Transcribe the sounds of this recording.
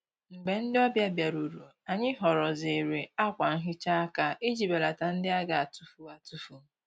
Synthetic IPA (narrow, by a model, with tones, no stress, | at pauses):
ŋ͡m̩˨ɡ͡be˨n̩˦dɪ˦ɔ˦bja˦bja˨ɾu˨ɾu˨ | a˨ɲɪ˦ɦɔ˨ɾɔ˨ze˨ɾe˨a˦kʷa˨ŋ̩˦ɦɪ˦t͡ʃa˦a˦ka˦ʔe˦d͡ʒi˨be˨la˨ta˨n̩˦dɪ˦a˦ɡa˨a˨tu˦fu˨a˨tu˦fu˨